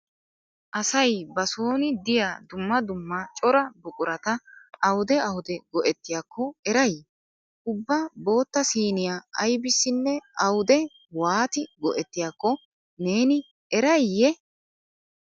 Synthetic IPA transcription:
ʔɐsɐjbɐsoːnɪd̪ɪjad̪ʊmːɐd̪ʊmːɐt͡ʃʼɔɾɐbʊkʼʊɾɐt̪ɐʔɐwʊd̪ɛɐwʊd̪ɛɡɔʔɛt̪ːɪjaːkʰːɔɛɾɐj | ʔʊbːɐbo̞ːt̪ːɐsiːnɪjaʔɐjbɪsːɪnːɛɐwʊd̪ɛ | waːt̪ɪɡɔʔɛt̪ːɪjaːkːɔ | ne̞ːnɪ | ɛɾɐjjːɛ

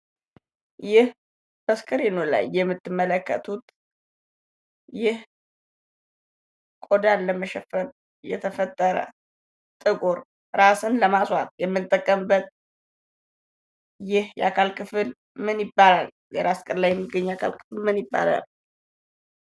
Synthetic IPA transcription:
jɪh | b̥əskʰʼəɾenola̰jːɛmːɨt̪ʰːɨmːələkːə̰t̪ʰut̪ | jɪh | kʼod̪anːəməʃɛfəɾ | jɛ̰t̪ʰəfət̪ʼːəɾə̰ | t̪ʼɨkʼoɾ | ɾasɨnləmaswat̪jɛmːɨnt̪ʼːəkʼːəmbət̪̚ | jɪhjɛʔakʰalkʼʰɨfɨl | mɨnjɪbːalal | jɛɾaskʼɨɾlajɛmːɨɡəɲːakʰa̰lkʼʰɨ̥fɨlmɨnjɪbːa̰la̰l

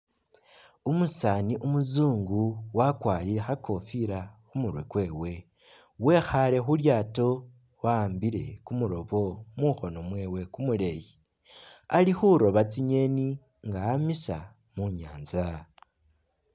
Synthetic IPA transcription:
umusaːniʔumuzuːŋɡuwakwaːliɾe̞xakʰo̞fiɾaxumuɾwḛkwe̞ːwe̞ | we̞xale̞xuljaːto̞ | wambiɾe̞̰kumuɾo̞βo̞muxo̞no̞mwe̞ːwe̞kumule̞ji | alixuɾo̞βat͡siɲe̞ni | ŋɡaːmisa | muɲaːnza

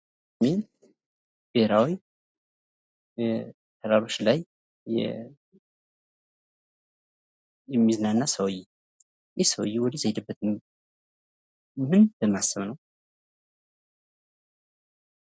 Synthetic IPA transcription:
sment̪ | b̥eɾawi | t̪ʰəɾaɾot͡ʃːlajː | ɛ̰ | jɛmːizɨnanːasəwjːi | jesəw̰jːiwɔd̪izəjd̪ɨbːət̪ʰɨm | mɨnbəmːasːəmnəw

